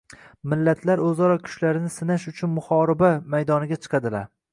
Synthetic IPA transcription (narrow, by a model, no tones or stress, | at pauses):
mɪlːat̪ʰlaɾɵzɒɾɒkʲʰʊ̥ʃlaɾɪnɪsɪnaʃʊt͡ʃʰʊnmʊχɒɾɪbamajd̪ɒnɪɡʲat͡ʃʰɨ̥qʰɑd̪ɪla̰ɾ